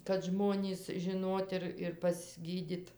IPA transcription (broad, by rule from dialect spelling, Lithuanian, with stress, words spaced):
kɐt ˈʒmoːnʲiːs ʒʲɪˈnoːt ɪr ɪr pɐzʲˈɡʲiːdʲɪt